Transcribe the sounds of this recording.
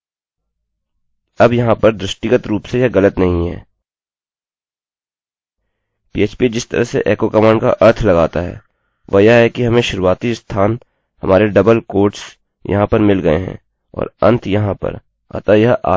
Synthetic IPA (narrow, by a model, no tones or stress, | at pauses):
ɐbjɐɦãpəɾd̪ɾɪʃʈɪɡət̪ɾuːpsejɐɣɐlət̪nɐɦĩɦɛ̰ː | piːeːt͡ʃpid͡ʒɪst̪ə̰ɾəɦsḛʔɛːkokɐmaːɳka̰ʔɐɾt̪ʰlɐɡaːt̪aɦɛ̰ː | ʋɐjaɦɛkiɦɐmẽʃʊɾuwaːt̪ist̪ʰaːn | hɐmaːɾeɖɐbəlkoːɾʈs | jɐ̰ɦãpɐɾmɪlɡɐḛɦɛ̰̃ | ɔ̰ːɾɐ̰̃nt̪ʰjɐɦãpə̰ɾ | a̰ːt̪ajɐɦa̰ː